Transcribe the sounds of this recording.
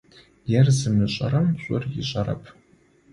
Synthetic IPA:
jɛrzɨmɨɕʼɐ̰ɾɐmɕʷʼʊ̰rjɪɕʼɐɾɐ̰pʰʼ

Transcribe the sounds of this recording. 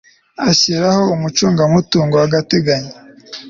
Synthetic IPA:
açiɾaho̞umut͡ʃuːŋɡamutuːŋɡowaɡateɡaɲe

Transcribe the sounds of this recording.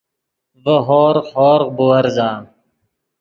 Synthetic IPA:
vəɦoːɾhoːɾqbuːɐɾzaː

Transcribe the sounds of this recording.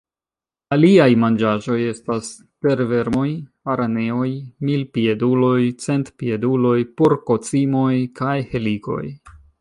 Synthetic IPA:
aliajmand͡ʒaʒo̞je̞stas | te̞ɾve̞ɾmo̞j | aɾane̞o̞jmilpie̞dulo̞jt͡se̞ntpie̞dulo̞jpoɾkot͡simo̞jkajhe̞liɡo̞̰j

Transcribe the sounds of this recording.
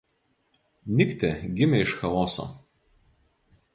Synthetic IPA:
nʲɪkʲt̪ʲɛɡʲɪmʲɛɪʃxɐʋɔːso̰ː

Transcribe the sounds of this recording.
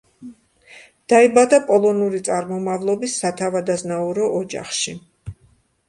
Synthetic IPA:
d̪̥aibad̪apʼɔlˠɔnuɾit̪sʼaɾmɔmavlˠɔbisːat̪ʰavad̪aznauɾɔʔɔd͡ʒa̰χʃi

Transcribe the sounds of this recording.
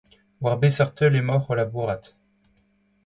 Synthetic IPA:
vwaʁbesɔʁt̪œlɛmɔʁɔlabuʁat̪

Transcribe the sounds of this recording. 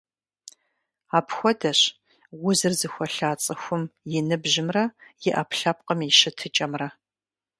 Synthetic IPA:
aːpxʷɔdɐɕ | wʊzɨrzɨxʷɔɬaːt͡sʼɨxʷʊmjɪnɨbʑɪmrɐjɪʔɐpʰɬɐp̚qʼəmiʃɪtʰɨt͡ʃʼɐmrɐ

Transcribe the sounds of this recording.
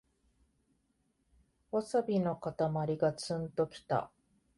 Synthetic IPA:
osabʲino̞kat̪amaɾʲiɡat͡sɨ̃nt̪o̞kʲi̥t̪a̰

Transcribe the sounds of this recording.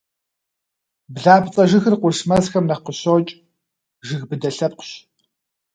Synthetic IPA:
bɮaːpt͡sʼɐʒɨxɨrqʷʊʂmɐzxɐmnɐqəɕoːt͡ʃʼ | ʒɨɣbɨdɐɬɐp̚qʷʊɕ

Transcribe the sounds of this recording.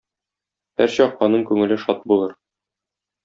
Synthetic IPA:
hæɾɕɒq̚ɒnɤɴkʉŋɘ̆lɘʃɒt̪̚bulˠɤɾ

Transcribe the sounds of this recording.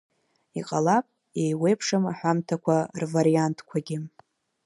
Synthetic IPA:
iqʼalapʼ | ejwe̞jpʰʂama̰ħʷamtʰakʷarvaɾijantʰkʷʰaɡʲɪ

